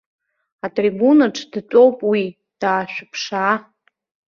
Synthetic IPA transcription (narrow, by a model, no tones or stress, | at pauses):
atʼribunaʈ͡ʂʰʼd̥t͡sʷʼo̞wpʼwi | d̥aːʃᶣʊpʰʂa